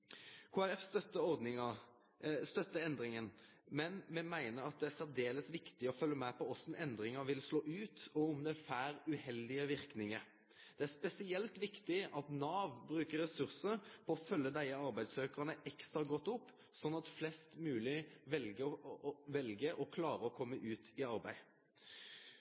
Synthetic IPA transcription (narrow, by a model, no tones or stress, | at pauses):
kʰuːæɾɛfst̪œt̪ːəɔɾd̪nɪŋə | st̪œt̪ːəɛnd̪ɾɪŋənmɛnmɛmæɪnəɾɑt̪̚d̪ɛæsæd̪eːləsʋɪkt̪ɪɔfœlːəmɛpɔɔsɔn̩ɛnd̪ɾɪŋəʋɪlsloːʔʉːt̪ɔmd̪ɛfæːɾʉhɛld̪ɪəʋɪɾknɪŋə | d̪̥ɛæspɛsɪɛlt̪ʋɪkt̪ɪʔɑt̪nɑːʋbɾʉːkəɾɛsʉʁsəɾpʰɔɔfœlːəd̪æɪəɑɾbæɪd̪søːkəʁənəʔɛkst̪ɾɑɡɔt̪ːʊpː | sɔnːɑt̪flɛst̪mʉːlɪʋɛlɡəʋɛlɡəʔɔkʰlɑːɾəɔkʰɔmːəʔʉːt̪ɪɑɾbæ̰ɪ